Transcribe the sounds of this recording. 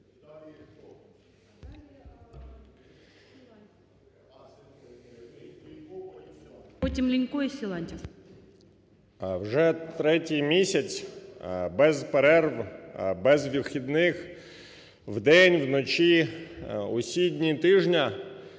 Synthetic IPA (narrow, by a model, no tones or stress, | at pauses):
pɔtʲimlʲinʲkujisʲɪlˠanʲtʲi | wʒɛt̪ɾɛtʲijmʲisʲɐt͡sʲ | bɛzpeɾɛrʋbɛzʋʲiwxʲid̪nɪx | wd̪ɛnʲwnɔt͡ʃi | usʲidʲnʲit̪ɪʒnʲɐ